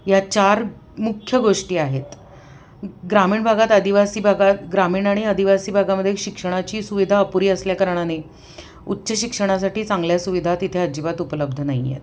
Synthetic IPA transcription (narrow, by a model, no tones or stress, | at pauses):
jat͡ɕaɾ | mukʰjəɡoʂʈiːaɦet̪ | ɡɾamiːɳbʱaɡat̪əd̪iʋasiːbʱaɡat̪ɡɾamiːɳaɽ̃iəd̪ʱiʋasiːbʱaɡaməd̪ʱjeɕikʂəɽ̃at͡ɕiːsuʋid̪ʱaəpuɾiːəsljakəɾɳ̃ane | utːɕəɕikʂəɽ̃asaʈiːt͡sãŋɡljasuʋid̪ʱat̪it̪ʰeəd͡ʑiʋat̪upələb̚d̪ʱənaɦijḛt̪